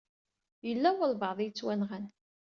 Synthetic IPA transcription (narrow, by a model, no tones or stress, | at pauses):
jəlːæwəlvɑðˤijət͡sːwænʁæn